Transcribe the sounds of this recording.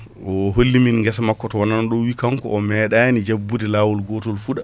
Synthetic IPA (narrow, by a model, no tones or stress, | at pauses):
ʔɔɦolːiminŋɡɛsamakːɔtɔwananɔɗɔwikaŋkɔ̰ːmɛɗanid͡ʒabːudɛlaːwɔlɡɔtɔlfuɗa